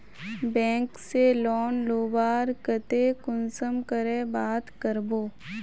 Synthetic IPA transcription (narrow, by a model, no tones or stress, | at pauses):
bɛ̃ːŋkselɔːnloːbaːɾkət̪ekʊnsəmkəɾebaːt̪kəɾboː